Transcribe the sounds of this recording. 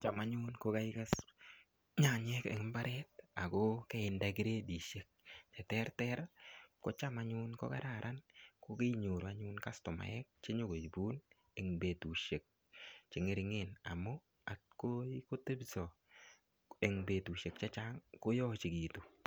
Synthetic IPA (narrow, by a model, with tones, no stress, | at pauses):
t͡ʃa˨ma˦ɲʊnko˦ka˦ɪ˦ka˦s | ɲa˨ɲɛ˦kḛ˨ŋ˦mba˦ɾʔɛt̚a˨ko˦kɛ˦ɪ˨ndak̬i˦ɾe˦di˨ʃe˦k̚t͡ʃɛ˨tɛ˦rtɛɾko˦t͡ʃa˦maɲʊnko̰˦ka˦ɾa˨ɾʔa˦nko˦ke˦ɲo˨ɾu˨a˦ɲʊ˦nka˦stɔ˨ma̰˨ɛ˦k̚t͡ʃe˦ɲo˦ɡo˨t͡ʃbu˦n | e˨ŋbe˨tu˨ʃe˨k̚ | t͡ʃɪ˨ŋe˦ɾɪŋe˨na̰˨mo˦ | a˨tko˦iko˦te˦bsɔ˨ | e˨ŋbe˨tu˨ʃe˨kt͡ʃa˦t͡ʃaŋko˦jɔ˦t͡ʃi˨kiː˨tu˨